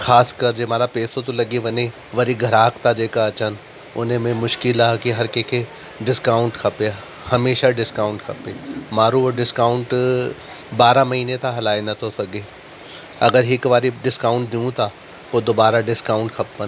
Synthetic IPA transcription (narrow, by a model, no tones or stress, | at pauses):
xaːskɐɾd͡ʑeːmaːlapeːsot̪olɐɡiʋɐne | ʋɐɾiɡʱɐɾaːkt̪ʰad͡ʒeːkaɐt͡ɕən | ʊ̰nmẽmʊʃkɪlaːkiɦɐɾkekʰe | ɖɪskaːʊ̃ɳʈkʰɐpej | hɐmeːʃaɖɪskaːʊ̃ɳʈkʰɐpemaːɾuːɖɪskaːʊ̃ɳʈ | baːɾamɐɦiːnet̪ʰaɦɐlaːenɐt̪ʰosɐɡeː | ɐɡəɾɦɪkʋaːɾiɖɪskaːʊ̃ɳʈ̚d̪iũt̪ʰa | poːd̪oːbaːɾaɖɪskaːʊ̃ɳʈkʰɐpːən